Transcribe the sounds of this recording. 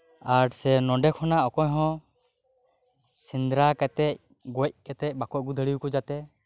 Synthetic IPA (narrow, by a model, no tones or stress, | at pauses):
aɾsɛnɔ̃ɖɛkʰɔnaʔɔkɔjɦɔ̃ | sind̪ɾakɛt̪ɛc̚ | ɡɔc̚kɛt̪ɛc̚ˀbakɔʔ̚ɡud̪ʱəɽiwkɔd͡ʒat̪ɛ